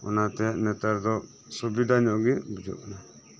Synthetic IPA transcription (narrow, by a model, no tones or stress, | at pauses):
ɔ̰nat̪ɛnɛt̪aɾd̪ɔ | sɔbid̪aɲɔʔɡibid͡ʒɔ̰ʔna